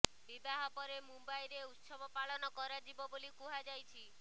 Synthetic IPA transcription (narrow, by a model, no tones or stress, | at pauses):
bibaɦɔpɔɾemumbajɾeut̪sɔbɔpaɭɔnɔkɔɾad͡ʒibɔbolikuɦad͡ʒajt͡ʃʰi